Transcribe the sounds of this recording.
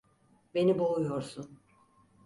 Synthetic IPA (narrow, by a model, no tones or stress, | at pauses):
be̞niboujo̞ɾsun